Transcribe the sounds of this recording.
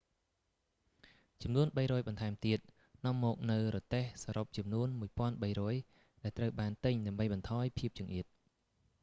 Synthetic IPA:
t͡ɕɑmnuənɓəjɾɔːjɓɑnt̪ʰaɛmt̪iət̪̚ | nŏəmːɔːk̚nɨwrɔːt̪ehsaɾop̚t͡ɕɑmnuənmuəjpŏənɓəjɾɔːj | ɗaɛlt̪rəwɓaːnt̪ɨɲɗaəmɓəjɓɑnt̪ʰɑːjpʰiəp̚t͡ɕiəŋʔiət̪̚

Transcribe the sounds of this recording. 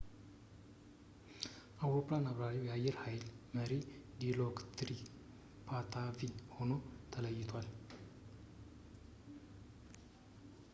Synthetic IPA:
ʔawɾoplanaβɾaɾiwjɛajːɛɾhajlməɾid̪ilokt̪ʰɾi | pʰat̪ʰaviho̞no̞t̪ʰələjːɪt̪ʰwal

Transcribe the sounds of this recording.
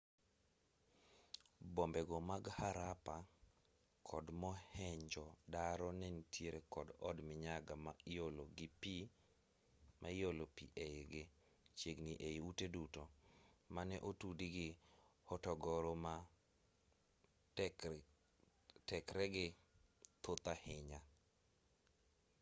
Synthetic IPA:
bombɛɡɔmaɡhaɾapa | kʰɔdmɔhɛɲd͡ʒɔdaɾɔnɛnitʰjeɾekɔdɔdmɪɲaɡamaoloɡɪpi | mʔajolopiʔeɪɡɪ | t͡ʃeɡniʔeiutedutomanɛʔotudiɡɪhɔtɔɡɔɾoma | tɛkɾɛɡɪt̪ʊt̪ahɪɲa

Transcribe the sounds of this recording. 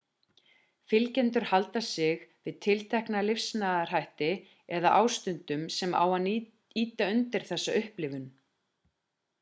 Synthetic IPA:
fɪlcɛnt̪ʏɾ̥halt̪asɪɣvɪðt̪ʰɪlt̪ʰɛhknalɪfsnaːðar̥ajht̪ɪ | ɛðaʔaːwst̪ʏnt̪ʏmsɛma̰wan | iːt̪aʏnt̪ɪɾ̥θɛsːaʏhplɪvʏn

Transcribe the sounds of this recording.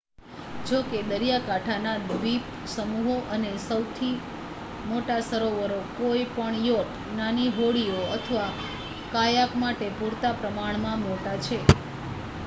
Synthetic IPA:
d͡ʒoked̪əɾjakaʈʰanad̪ʋip | səmuɦoʔənesəwt̪ʰi | moʈasəɾoʋəɾokojpəɳjot̪ | naniɦoɽioət̪ʰəʋa | kajakmaʈepuɾt̪apɾəmaɳ̃mãmoʈat͡ʃʰe

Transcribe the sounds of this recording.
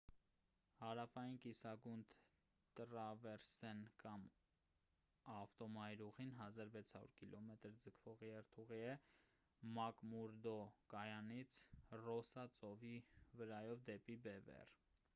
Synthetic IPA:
hɑɾɑfɑjinkisɑɡunt̪ | t̪əɾɑvɛɾsɛnkɑm | ɑft̪ɔmɑjɾuʁinɦɑzɑɾvɛt͡sʰhɑɾṵɾkilʔɔmɛt̪əɾd͡zəkʰvɔʁjɛɾt̪ʰuʁiɛ | mɑkmuɾd̪ɔkɑjɑnit͡sʰrɔsɑt͡sɔvivəɾɑjɔvd̪ɛpibɛvɛ̰r

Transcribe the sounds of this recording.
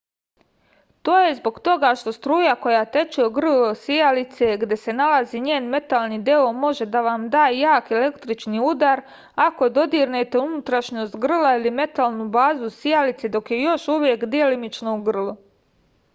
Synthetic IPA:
t̪o̞ːje̞zbo̞ɡt̪o̞ɡaʃt̪o̞st̪ɾuːjako̞jat̪e̞t͡ʃioɡr̩losijalit̪seɡd̪je̞se̞nalaziɲeːnme̞t̪alnid̪eomo̞ʒe̞d̪aʋamd̪aːjejaːkelekt̪ɾit͡ʃniud̪aɾ | ako̞d̪o̞d̪iɾnet̪e̞unut̪ɾaʃɲo̞st̪ɡr̩lˠailime̞t̪alˠnubaːzusijalit̪sed̪o̞kje̞jo̞ʃuʋje̞kd̪ielimit͡ʃnouɡr̩lu

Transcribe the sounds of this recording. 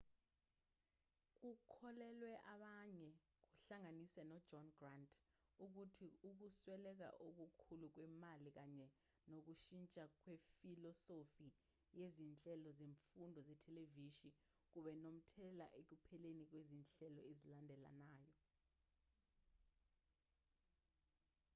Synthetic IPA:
k̬ukʰɔlɛlwɛʔaɓaɲɛ | k̬uɬaŋanisɛnɔd̥d͡ʒɔnɡrantʰʼuk̬utʰiuk̬uswɛlɛk̬a̰ʔok̬ukʰuluk̬wɛmalik̬aɲɛ | nok̬uʃint͡ʃʼak̬wefilɔsofi | jezint͡ɬʼɛlɔzeɱfundʱɔzɛtʰɛleviʃi | k̬uɓɛnom̩tʰɛla̰ʔek̬upʰɛlenik̬wezint͡ɬʼɛlɔezilandʱɛla̰naːjɔ

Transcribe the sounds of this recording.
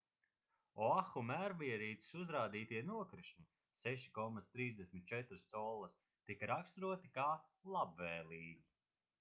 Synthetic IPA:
ɔaxumæɾviɛɾiːt̪i̥suzɾaːd̪iːt̪iɛnuɔkɾɨʃnʲi | sɛʃi̥kɔmat̪st̪ɾiːzd̪eɛsmʲit̪̚t͡ʃɛt̪ɾɨst̪sɔlˠːɐs | t̪ikaɾakst̪ɾuɔt̪ikaːlˠabvɛːlˠiːɡʲi

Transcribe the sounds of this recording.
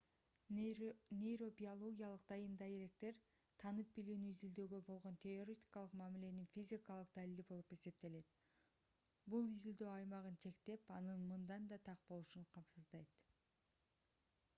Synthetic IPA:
nʲejɾo̞bʲiolˠo̞ɡʲijalˠɯqd̪̥ɑjɯnd̪ɑeɾe̞k̚t̪e̞ɾ | t̪ʰɑnɯp̚bilyːnyizild̪ø̞ːɡø̞bo̞lˠʁo̞nt̪ʰeo̞ɾʲet̪ʲi̥kɑlˠɯqmæmile̞ninfʲizʲikɑlˠɯq̚d̪ælilibo̞lˠupe̞se̞p̚t̪e̞le̞t̪ | bulˠizild̪ø̞ːɑjmɑʁɯnt͡ʃʰe̞kt̪e̞pɑnɯnmɯnd̪ɑnd̪ɑt̪ʰɑq̚bo̞lˠuʃuɴqʰɑmsɯzd̪ɑjt̪

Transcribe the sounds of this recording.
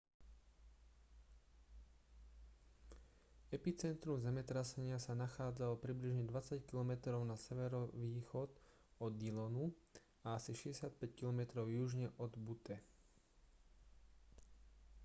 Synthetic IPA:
ɛpit͡sɛnt̪ɾumzɛmɛt̪ɾasɛɲɪasanaxaːd͡zalɔpɾibliʒɲɛd̪ʋat͡sackilɔmɛt̪ɾɔʊnasɛʋɛɾɔʋiːxɔt̪ | ɔd̪ilɔnu | aasiʃɛɛsɪat̪̚pɛckilɔmɛt̪ɾɔʊjuʒɲɛʔɔd̪but̪ɛ

